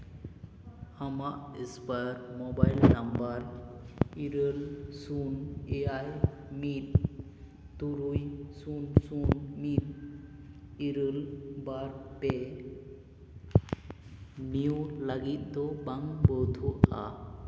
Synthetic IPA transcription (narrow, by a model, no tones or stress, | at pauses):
hamaʔispəɾmɔbajlnambəɾ | iɾəlsuneaj | mit̪̚ | t̪uɾujsunsunmit̪̚ | iɾəlbaɾpe | niwlaɡit̪̚d̪ɔbaŋbɔt̪ʰua̰